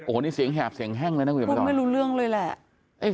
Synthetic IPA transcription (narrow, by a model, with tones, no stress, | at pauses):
ʔoː˨˩˦ni˧˩si˨˩˦əŋɦɛː˨˩p̚si˨˦əŋɦaː˧˥˩ŋləː˧na˧˥˧maː˧˥˩jluː˧lɨ˥˩əŋləː˧jlɛ˨˩ | ʔa˧˩